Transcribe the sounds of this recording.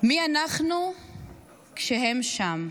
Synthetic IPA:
mianaχnu | kʃeɦemʃam

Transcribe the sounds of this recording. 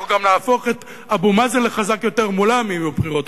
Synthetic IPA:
ɡamlaːfo̞χet̪ | abumazenleχazakjo̞teʁmulamimubχiʁot̪

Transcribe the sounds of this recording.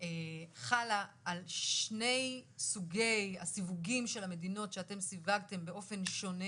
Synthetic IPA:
eχalaʔːlʃne̞jsuɡe̞jasivuɡimʃe̞lame̞dino̞tʃeate̞msivaɡte̞mbe̞o̞fe̞nʃo̞ne

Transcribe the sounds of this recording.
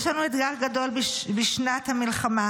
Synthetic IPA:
ʃlanued̪ɡaχɡado̞lbbiʃnat̪hamilχama

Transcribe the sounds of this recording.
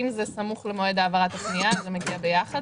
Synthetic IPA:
imzesamuχlemoe̞d̪aːvaʁat̪aʃniazemeɡiabejaχad

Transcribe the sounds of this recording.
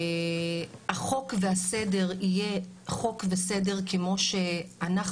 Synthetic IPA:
aχo̞kveasede̞ʁijeχo̞kvesede̞ʁkemo̞ʃeanaχ

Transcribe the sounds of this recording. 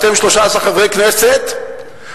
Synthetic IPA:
t̪emʃloʃaasaχavʁejkneset̪

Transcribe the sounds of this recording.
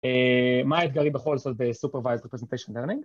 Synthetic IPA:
emait̪ɡaʁibeχo̞lzot̪̚besupeʁvajzʁepʁezent̪ejʃonleʁniŋɡ

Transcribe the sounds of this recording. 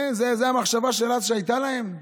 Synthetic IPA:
nzezeamaχʃavaʃelaʃeajt̪alahe̞m

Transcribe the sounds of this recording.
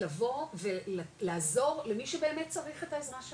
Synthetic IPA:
avo̞vellaːzo̞ʁle̞miʃebe̞ːmet̚t͡saʁiχe̞taezʁaʃ

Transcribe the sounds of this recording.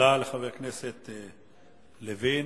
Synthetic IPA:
aleχaveʁkneset̪ | levin

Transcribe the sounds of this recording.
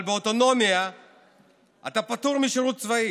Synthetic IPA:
lbeot̪o̞no̞mja | at̪apat̪uʁmiʃeʁut̪̚t͡svai

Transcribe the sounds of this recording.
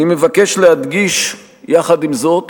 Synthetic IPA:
nimevake̞ʃlehad̪ɡiʃ | jaχad̪imzo̞t̪

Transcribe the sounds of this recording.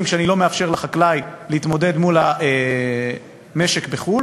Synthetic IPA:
mkʃeanilo̞meafʃe̞ʁlaχaklajliit̪mo̞d̪e̞d̪mulaʔe | meʃekbeχul

